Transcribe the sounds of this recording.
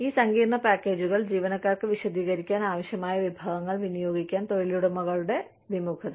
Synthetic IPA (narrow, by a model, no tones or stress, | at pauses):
iːsɐŋɡiːrɳɐpaːkːe̞ːd͡ʑuɣɐɭd͡ʑiːʋɐnɐkːaːrkɨʋiɕɐd̪iːɣɐɾikʲːaːnaːʋɐɕjɐmaːjɐʋibʱaːɣɐŋːɐɭʋinijo̞ːɡikʲːaːnt̪o̞ɻiluɽemɐɣɐɭuɽe̞ | ʋimukʰɐðe